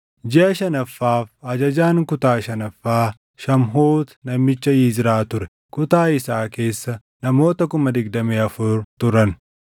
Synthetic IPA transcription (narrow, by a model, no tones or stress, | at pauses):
d͡ʒɪʔɐʃɐnɐfːaːfɐd͡ʒɐd͡ʒaːŋkʊt̪aːʃɐnɐfːaː | ʃɐmɦoːt̪nɐmːɪt͡ʃːɐiːd͡ʒɪɾaːt̪ʊɾɛ | kʊt̪aːɪsaːke̞ːsːɐ | nɐmo̞ːt̪ɐkʊmɐd̪ɪɡd̪ɐmeːɐfʊɾt̪ʊɾɐn